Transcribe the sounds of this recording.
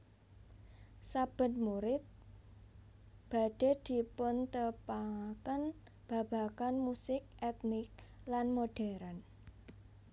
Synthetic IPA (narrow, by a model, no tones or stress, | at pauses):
sab̥ə̤nmuɾɪt̪̚ | b̥a̤ɖ̥e̤d̪̥i̤pʊnt̪əpaakən | b̥a̤b̥a̤kanmusɪk̚ʔɛt̪nɪk̚lanmoɖ̥ɛɾan